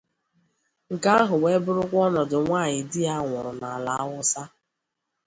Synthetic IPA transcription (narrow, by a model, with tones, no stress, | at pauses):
ŋ̩˨ka˦a˦ɦʊ˨we˦bʊ˦ɾʊ˦kʷɔ˦nɔ˨dʊ˨ŋʷaː˦˨ɲɪ˨dɪ˦a˦ŋʷʊ˨ɾʊ˨na˨la˨a˦wʊ˦sa˦